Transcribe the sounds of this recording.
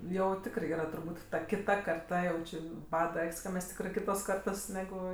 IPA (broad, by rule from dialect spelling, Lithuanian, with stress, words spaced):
jɛʊ ˈtʲɪkrɜ ˈiːrɐ tʊrˈbuːt tɐ kʲɪˈtɐ kɐrˈtɐ jɛʊ ˈt͡ʃʲɪ ˈbɑːdɐ ˈɐkʲsʲ kɐ ˈmʲɛs ˈtʲɪkrɜ ˈkʲɪtoːs ˈkɐrtoːs nʲɛˈɡʊ